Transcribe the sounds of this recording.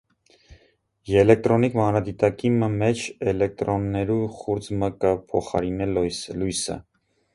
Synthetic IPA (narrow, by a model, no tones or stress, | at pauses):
jɛlɛk̚t̪ɾɔnikmɑnɾɑd̪it̪ɑkiməmɛt͡ʃʰɛlɛk̚t̪ɾɔnːɛɾuχuɾd͡zməkəpʰɔχɑ̰ɾinɛlujslujsə̰